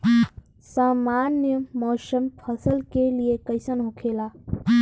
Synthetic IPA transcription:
saːmanjəmɔːsəmpʰəsəlkeliekəɪsənɦokʰelaː

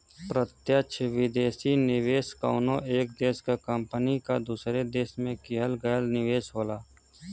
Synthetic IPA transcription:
pɾət̪jəʃʰʋɪd̪eːsinɪʋeːska̰ʊnõʔeːk̚d̪eːskakəmpənikad̪uːsɾed̪eːʃmẽkɪɦəlɡəjlnɪʋeːsɦoːlaː

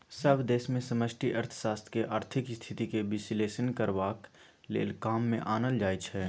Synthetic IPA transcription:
səbd̪eːsmẽsəməsʈʰiʔəɾt̪ʰə̥ʃaːst̪ʰkeʔaːɾt̪ʰɪkst̪ʰɪt̪ikebɪsleːʃənkəɾʋaːk | lḛːlkaːmːḛ̃ʔaːnəld͡ʒaːit͡ʃʰɦɛː

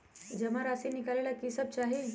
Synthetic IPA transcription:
d͡ʑəmaɾasinikalelakisəb̚t͡ʃaɦi

